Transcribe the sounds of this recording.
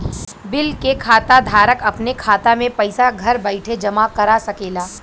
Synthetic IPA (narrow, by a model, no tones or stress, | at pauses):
bɪlkekʰaːt̪ad̪ʱaːɾəkɐpnekʰaːt̪amẽpɐɪsaɡʱɐɾbɐɪʈʰed͡ʒɐmakɐɾasɐkeːlaː